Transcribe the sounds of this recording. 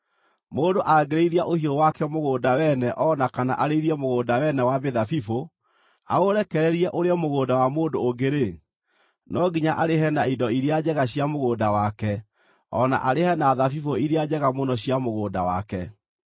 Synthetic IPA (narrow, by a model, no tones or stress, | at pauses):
moːndoʔaɡeɾeiɾiaʔohiowakɛmoɣoːdawɛnɛʔɔnakana̰ʔaɾeiɾiɛmoɣoːdawɛnɛwabeðafifo | a̰oɾɛkɛɾɛɾiɛʔoɾeɔmoɣoːdawamoːndoːɡeɾe | nɔɡiɲaʔaɾeɦɛnaindɔiɾead͡ʑɛɣaɕijamoɣoːdawakɛ | ɔna̰ʔaɾehɛnaðafifoiɾead͡ʑɛɣamonɔɕiamoɣoːda̰wa̰kɛ